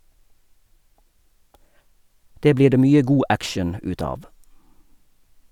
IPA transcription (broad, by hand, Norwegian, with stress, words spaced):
ˈdeː ˈbliː ˈdeː ˈmyːə ˈɡuː ˈʔækʃəɳ̩ ˈʉːt ˈɑːʋ